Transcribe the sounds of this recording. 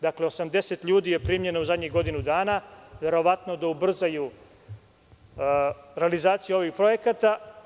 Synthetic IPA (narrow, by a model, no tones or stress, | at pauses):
d̪akle̞o̞samd̪e̞set̪ʎuːd̪ije̞pɾiːmje̞nouzad̪ɲiɣɡo̞d̪inud̪aːnaʋe̞ɾo̞ʋat̪no̞d̪aubr̩zaju | ɾe̞alizaːt̪sijuo̞ʋipɾo̞je̞kat̪a